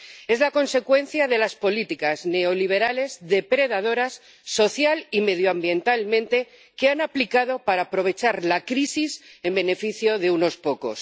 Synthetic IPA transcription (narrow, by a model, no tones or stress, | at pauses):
e̞zlako̞nse̞kwe̞n̟θjaðe̞laspo̞lit̪ikazne̞o̞liβ̞e̞ɾale̞zðe̞pɾe̞ðað̞o̞ɾasː | o̞θjalime̞ð̞joambje̞nt̪almẽ̞nt̪e̞ | ke̞anaplikað̞o̞paɾaːpɾo̞β̞e̞t͡ʃaɾlakɾisise̞mbe̞ne̞fiθjo̞ðe̞uno̞spo̞ko̞s